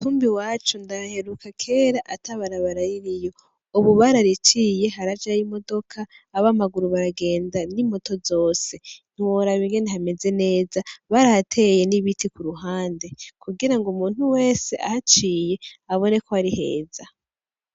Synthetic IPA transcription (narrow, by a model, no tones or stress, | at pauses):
huːmbiwaːt͡ʃundaɾahe̞ɾukakʰe̞ːɾaʔataβaɾaβaɾajiɾijo̞ | uβuβaɾaɾit͡ʃiːje̞ɦaɾad͡ʒajimo̞do̞kʰaː | βamaɡuɾuβaɾaɡe̞ːndanimo̞to̞zo̞ːse̞n̥iwoɾaβiŋɡeniɦhame̞ze̞ne̞ːzaβaɾahatʰe̞je̞niβitʰikuɾuɦaːnde̞kʰuɡiɾaŋɡumuːn̥huwe̞ːse̞ʔa̰hat͡ʃiːje̞aβo̞ne̞ko̞aɾihe̞̰ːz̥a